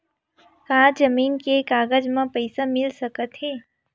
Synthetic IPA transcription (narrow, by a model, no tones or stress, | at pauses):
kãːd͡ʒəmiːnkekaːɡəd͡ʒmãpəɪsamɪlsəkət̪ɦeː